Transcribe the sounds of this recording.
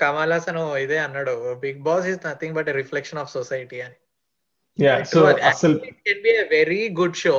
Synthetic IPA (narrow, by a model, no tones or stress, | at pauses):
kɐmaːlaːsɐnuid̪eːɐnːaɽuəbiɡ̚bɔːsiznɐt̪ʰĩŋbɐʈeɾiflɛkʃɐ̃nɔfsɔsajʈiɐni | jasoasɐikɛ̃nbieʋeɾiɡuɖʃoː